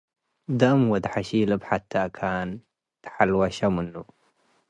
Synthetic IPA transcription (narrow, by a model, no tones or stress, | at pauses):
d̪amwad̪ħaʃiːlabħat̪ːakʰaːn | t̪ħalwaʃamənːu